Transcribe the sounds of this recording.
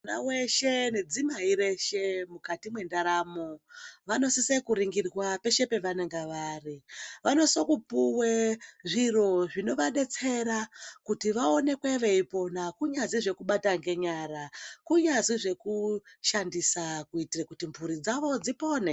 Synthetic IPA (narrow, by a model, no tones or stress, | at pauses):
naweʃene̞d͡zimaiɾe̞ʃe̞mukatimwe̞ndaɾaːmoʋano̞sisekuɾiŋɡirwape̞ʃe̞pe̞ʋaneŋɡaʋaːriʋano̞so̞kupuweʐiro̞ʐino̞ʋaɗe̞t͡se̞ɾakutiʋao̞ne̞kweʋe̞ipo̞nakuɲaziʐe̞kuɓataŋɡe̞ɲaːɾakuɲaziʐe̞kuʃandisakuitirekutimbʱuɾid͡zaʋo̞d͡zipo̞ːne